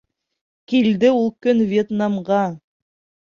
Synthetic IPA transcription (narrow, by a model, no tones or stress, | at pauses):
kild̪ɘulˠkɵnvʲjet̪namʁɑ